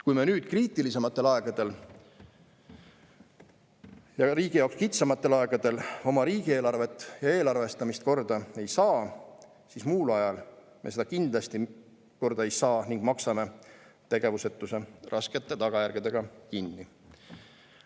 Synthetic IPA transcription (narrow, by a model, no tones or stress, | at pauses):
kujme̞nyːd̪̥kriːt̪ːˑilise̞mɑt̪ːˑe̞lɑeɡ̥ɑd̪̥e̞l | jɑɾiːɡ̥ijɑkskit̪sɑmɑt̪ːˑe̞lɑeɡ̥ɑd̪̥e̞lo̞mɑɾiːɡ̥ie̞ːlɑrve̞t̪ːˑjɑe̞ːlɑrve̞st̪ɑmist̪̚ko̞rd̪̥ɑe̞jsɑː | sismuːlɑjɑl | me̞se̞d̪̥ɑkind̪lɑst̪i | ko̞rd̪̥ɑejsɑːniŋɡ̥mɑksɑme̞t̪e̞ɡ̥e̞vuset̪ːˑuse̞rʔɑske̞t̪ːˑe̞t̪ɑɡ̥ɑjæɾɡ̥ed̪e̞ɡ̥ɑkinːi